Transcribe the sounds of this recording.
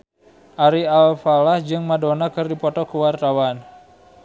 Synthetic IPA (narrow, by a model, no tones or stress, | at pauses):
ʔaɾialfalahd͡ʒɨŋmadonakɨrdipɔt̪ɔkuwart̪awan